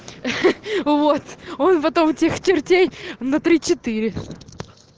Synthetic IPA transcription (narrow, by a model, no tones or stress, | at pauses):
vot̪o̞npɐt̪o̞mtʲext͡ɕɪrtʲejnɐt̪ɾʲit͡ɕɪt̪iɾʲɪ